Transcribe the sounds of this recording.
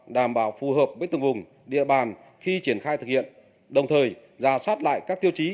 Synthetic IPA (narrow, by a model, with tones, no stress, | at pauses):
ɗaː˧˩mɓaː˧˩wfu˨˩ɦəː˨˩p̚vəː˨˦jt̪ɨ˨˩ŋvʊ˨˩ŋ͡m | ɗḭ˧˨əɓaː˨˩n | xi˧t͡ɕi˧˩ənxaː˧jt̪ɨ˨˩k̚hḭ˧˨ən | ɗə˨˩wŋ͡mt̪ʰəː˨˩j | zaː˨˩swaː˦˥t̚la̰ː˧˨jkaː˦˥k̚t̪i˧əwt͡ɕi˨˦